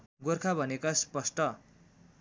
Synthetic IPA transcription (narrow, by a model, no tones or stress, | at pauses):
ɡorkʰabʱʌnekaspʌsʈʌ